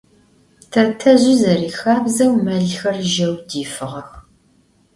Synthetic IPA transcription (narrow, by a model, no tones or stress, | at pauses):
tʰɐtʰɐʑɪzɐriːxaːbzɐwmɐɮxɐrʒɐwdiːfɨʁɐx